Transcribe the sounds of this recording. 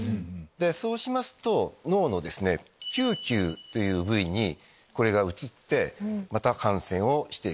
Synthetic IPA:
d̪e̞so̞ːɕimasɨ̥t̪o̞no̞ːno̞d̪e̞sɨne̞kʲɨːkʲɨːt̪o̞jɯ̟ːbɯ̟iɲ̟iko̞ɾe̞ɡaɯ̟t͡ɕit̪ːe̞mat̪akãɰ̃sẽ̞ɰ̃o̞ɕi̥t̪e̞i

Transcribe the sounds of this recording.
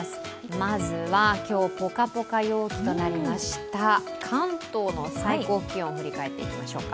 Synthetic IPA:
s | mazɨβakʲo̞ːpo̞kapo̞kajo̞ːkʲi̥t̪o̞naɾʲimaɕi̥t̪a | kʰãnt̪o̞ːno̞saiko̞ːkʲiõɸɯ̟ɾʲikae̞t̪ːe̞ḭkʲimaɕo̞ːka

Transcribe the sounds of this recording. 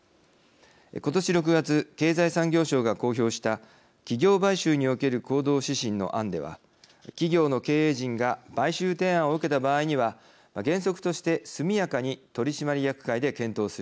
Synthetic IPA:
ko̞t̪o̞ɕiɾo̞k̬ɯ̟ɡat͡sɨke̞ːzaisãŋɡʲo̞ːɕo̞ːɡako̞ːço̞ːɕi̥t̪a | kʲiɡʲo̞ːbaiɕɨːɲ̟io̞ke̞ɾɯ̟ko̞ːd̪o̞ːɕiɕĩnːo̞̰ʔãnd̪e̞̰βa̰ | kʲiɡʲo̞ːno̞ke̞ːeːʑĩŋɡab̥aiɕɨːt̪e̞ːão̞ɯ̟ke̞t̪abaːiɲ̟iβa | maɡẽ̞ɰ̃so̞kɯ̟̥t̪o̞ɕi̥t̪e̞sɨmʲijakaɲ̟it̪o̞ɾʲiɕimaɾʲijakɯ̥kaid̪e̞kẽ̞nt̪o̞ːsɨɾɯ̟

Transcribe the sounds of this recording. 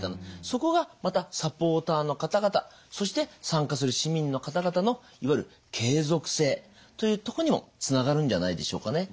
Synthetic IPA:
t̪anaso̞ko̞ɡamat̪asapo̞ːt̪aːno̞kat̪aɡat̪a̰ | so̞ɕ̬i̥t̪e̞sãŋkas̬ɨɾɯ̟ɕimʲĩnːo̞kat̪aɡat̪ano̞ | iβaiɾɯ̟ | kʰe̞ːzo̞kɯ̟̥se̞ː | t̪o̞jɯ̟ːt̪o̞koɲ̟imo̞̰t͡sɨnaɡaɾɯ̟̃ɲ̟d͡ʑanaid̪e̞ɕo̞̰ːkane̞

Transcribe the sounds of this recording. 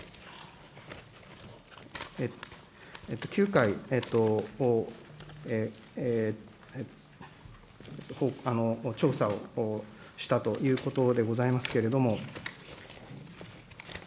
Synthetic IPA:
e | et̪ːo̞̥kʲɨ̟ːkaiet̪ːo̞ | e | t̪ːohoano̞t͡ɕo̞ːsao̞ | ɕi̥t̪at̪o̞jɯ̟ːko̞t̪o̞d̪e̞ɡo̞zaimasɨ̥ke̞ɾe̞d̪o̞mo̞

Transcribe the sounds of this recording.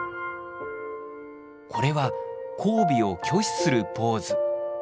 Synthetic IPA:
kʰo̞ɾe̞βakʰo̞ːbʲio̞kʲo̞ːɕi̥sɨɾɯ̟po̞ːzɨ

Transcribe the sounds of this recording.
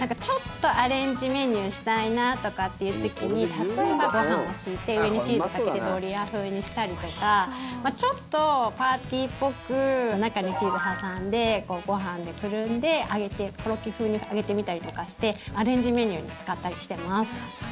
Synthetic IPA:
nãŋkat͡ɕo̞t̪ːo̞ʔaɾẽ̞ɲ̟d͡ʑime̞ɲ̟ʲɯːɕi̥t̪ainat̪o̞kat̪ːe̞jɯ̟ːt̪o̞kʲiɲ̟it̪at̪o̞e̞baɡo̞hãɰ̃o̞ɕiːt̪e̞ɯ̟e̞ɲit͡ɕiːzkaket̪ed̪o̞ːɾʲiaɸɯ̟ːɲ̟iɕi̥t̪aɾʲit̪o̞kamat͡ɕo̞t̪ːo̞paːt̪ʲiːpːo̞kɯ̟onakaɲ̟it͡ɕiːzɨɦasãnd̪e̞ko̞ːɡo̞ɦãnd̪e̞kɯ̟ɾɯ̟̃nd̪e̞ʔaɡe̞t̪e̞ko̞ɾo̞kʲiɸɯ̟ːɲ̟iaɡe̞t̪e̞mʲit̪aɾʲit̪o̞kaɕi̥t̪e̞aɾẽ̞ɲ̟d͡ʑime̞ɲ̟ʲɯ̟ːɲ̟ḭt͡sɨ̥kat̪ːaɾʲiɕi̥t̪e̞masɨ̥

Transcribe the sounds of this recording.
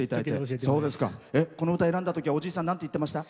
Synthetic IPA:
e̞it̪adait̪esso̞ːd̪e̞sɨ̥ka̰e̞ko̞no̞ɯ̟t̪aeɾãnd̪at̪okʲiβao̞d͡ʑiːsãnãnt̪e̞it̪ːemaɕi̥t̪a

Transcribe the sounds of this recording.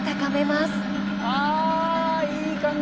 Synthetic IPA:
t̪akame̞masɨ̥ | a | iːkãŋ

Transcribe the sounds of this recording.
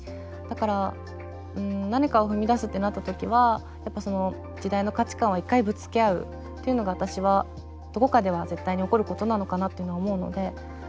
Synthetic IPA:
d̪̥akaɾa | ɯ̟̃ɴnaɲ̟ikao̞ɸɯ̟mʲid̪asɨt̪ːe̞nat̪ːat̪o̞kʲiβa | japːaso̞no̞ | d͡ʑid̪aino̞kat͡ɕi̥kãɰ̃βaikːaibɯ̟t͡sɨ̥ke̞aɯ̟̰ | t̪ːe̞iɯ̟no̞ɡaβat̪aɕiβa | d̪̥o̞ko̞kad̪e̞βaze̞t̪ːaiɲ̟io̞ko̞ɾɯ̟ko̞t̪o̞nano̞kanat̪ːeiɯ̟noaomo̞ɯ̟no̞̰d̪e̞

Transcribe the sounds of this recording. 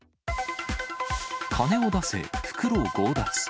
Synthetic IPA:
kʰane̞od̪ase̞̰ɸɯ̥kɯ̟ɾoːɡoːd̪at͡sɨ̥

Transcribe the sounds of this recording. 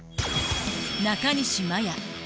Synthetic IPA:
nakaniʃimaja

